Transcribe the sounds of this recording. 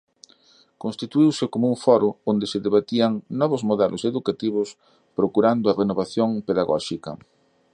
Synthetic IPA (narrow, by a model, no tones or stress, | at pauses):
konst̪it̪uiwsɪkomʊuŋfɔɾʊond̪ɪsɪðeβat̪iɐŋnɔβʊzmoðɛlʔʊseðukat̪iβʊs | pɾokuɾand̪ʊɐrenoβaθjoŋpeðaɣɔ̰ʃikɐ̰